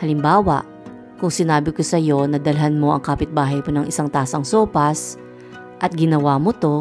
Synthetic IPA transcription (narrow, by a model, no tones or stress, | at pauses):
hɐlɪmbaːwɐ̰ʔ | kʊŋsɪnaːbɪkosɐjo̞nɐd̪ɐlɐɦɐnmo̞ʔɐŋkaːpɪt̪̚baːɦɐjponɐŋʔɪsaŋt̪aːsɐŋsoːpɐs | ʔɐt̪̚ɡɪnɐwaːmot̪o̞